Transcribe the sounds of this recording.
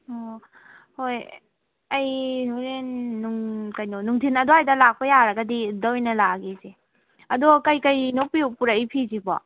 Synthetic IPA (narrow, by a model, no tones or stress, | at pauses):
o | hoj | ajoɾenːuŋkajnonuŋtʰinɐdoajdɐlak̚pɐjaɾɐɡɐdidɔwjnɐlaɡeze | ɐdokɐjkajnok̚piwpuɾajpʰizibɔ̰